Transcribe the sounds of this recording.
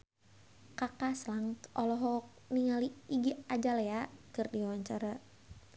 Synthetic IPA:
kakaslaŋʔɔlɔɦɔk̚ | niŋaliiɡiad͡ʒalɛakɨrdiwaɲt͡ʃaɾa

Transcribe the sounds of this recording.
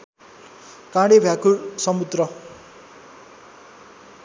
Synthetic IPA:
kãɽebʱjakuɭsʌmut̪ɾʌ

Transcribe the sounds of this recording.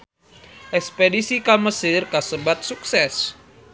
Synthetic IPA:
ʔɛkspedisikaməsirkasəbat̪̚suksɛs

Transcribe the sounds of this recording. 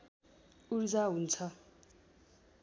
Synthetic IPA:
urd͡zaɦunt͡sʰʌ

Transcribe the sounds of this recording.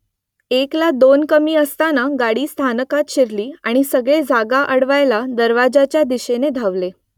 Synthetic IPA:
eklad̪onkəmiːəst̪anaɡaɽiːst̪ʰanəkat̪ɕeɾliːaɽ̃isəɡɭed͡zʱaɡaʔəɽʋajlad̪əɾʋad͡zat͡ɕjad̪iɕened̪ʱaʋle

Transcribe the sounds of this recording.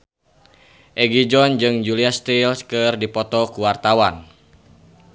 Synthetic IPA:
ʔɛɡid͡ʒɔnd͡ʒɨŋd͡ʒuliast̪ilskɨrdipɔt̪ɔkuwart̪awan

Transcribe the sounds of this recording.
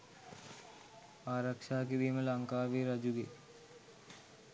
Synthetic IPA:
aːɾɐkʂaːk̬id̪imɐlɐŋkaːʋiːɾɐd͡ʒuɡḛː

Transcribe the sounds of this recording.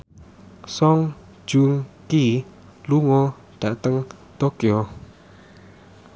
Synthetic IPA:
sɔŋ | d͡ʒuŋki | luŋo | d̥aʔt̪əŋ | t̪okio

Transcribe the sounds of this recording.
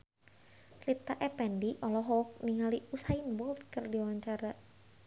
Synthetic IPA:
rit̪aʔɛpɛndiʔɔlɔɦɔk̚niŋaliusainbɔlt̪kərdiwaɲt͡ʃaɾa

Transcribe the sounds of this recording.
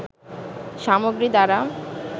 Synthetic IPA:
ʃamoɡɾid̪aɾam

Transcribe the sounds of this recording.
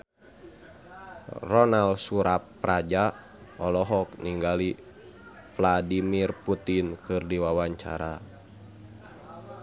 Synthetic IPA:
rɔnalsuɾapːrad͡ʒa | ɔlɔɦɔk̚niŋɡali | vladimirput̪inkɨrdiwawaɲt͡ʃa̰ɾa

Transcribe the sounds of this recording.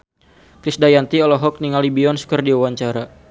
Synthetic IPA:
kɾisdajant̪iɔlɔɦɔk̚niŋalibiɔnsu̥kərdiawaɲt͡ʃaɾa

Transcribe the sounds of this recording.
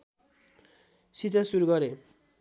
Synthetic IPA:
sit͡sasuɾuɡʌɾe

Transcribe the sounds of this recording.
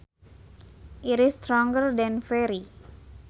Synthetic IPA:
ʔiɾistɾɔ̃ŋɡərdɛ̃nfɛɾi

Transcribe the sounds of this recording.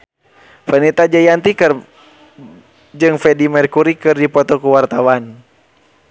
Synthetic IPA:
fənit̪ad͡ʒajant̪ikɨr | d͡ʒɨŋfɛdimɛrkuɾikɨrdipɔt̪ɔkuwart̪awan

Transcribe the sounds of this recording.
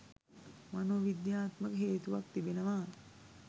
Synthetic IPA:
manoːʋid̪jaːt̪məkəɦeːt̪uʋak̚t̪ibinəʋaː

